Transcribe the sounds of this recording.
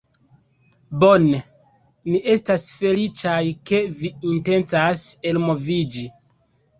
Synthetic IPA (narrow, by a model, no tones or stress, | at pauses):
bo̞ne | niʔe̞stasfe̞lit͡ʃajke̞viinte̞nt͡saselmo̞vid͡ʒi